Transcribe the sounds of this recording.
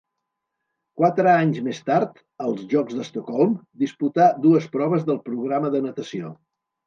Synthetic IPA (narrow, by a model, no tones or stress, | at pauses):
kwat̪ɾəaɲzmest̪aɾt̪ | əlˠzʒɔɡzðəst̪okɔlˠmd̪isput̪ad̪uəspɾɔβ̞əzðəlˠpɾuɣɾaməðənət̪əsio